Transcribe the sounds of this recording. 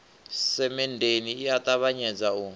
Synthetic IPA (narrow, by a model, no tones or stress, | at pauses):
sɛmɛndeniijat̪ʼaβaɲɛd͡zau